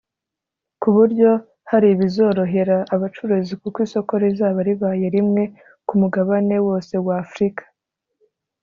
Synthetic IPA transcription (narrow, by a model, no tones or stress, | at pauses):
kuβuɾɟo̞ | haɾiβizo̞ɾo̞ɦe̞ɾaʔːβat͡ʃuɾuzikukwiːso̞ko̞ɾezaːβaɾiβaːje̞ɾimŋe̞ | kumuɡaβane̞wo̞ːse̞waːfɾikḁ